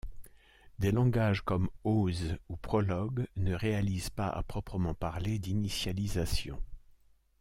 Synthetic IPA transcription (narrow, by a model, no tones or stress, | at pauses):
d̪elɑ̃ɡaʒkɔmozupχɔlɔɡnəʁealizpaa̰pχɔpχəmɑ̃paʁled̪inisjalizasjɔ̰̃